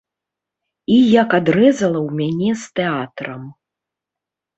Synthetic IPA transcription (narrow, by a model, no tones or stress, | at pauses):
ijakad̪ɾɛzɐlˠɐwmʲanʲɛst̪ɛat̪ɾɐm